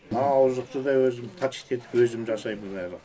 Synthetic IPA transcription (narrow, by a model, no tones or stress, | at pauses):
nɑːwzəq̚t̪əd̪ɑwɵzɪmt̪ʰɑt͡ʃi̥t̪ʰe̞t̪ɪ̥pwɵzɪmd͡ʒɑsɑjbəbæɾ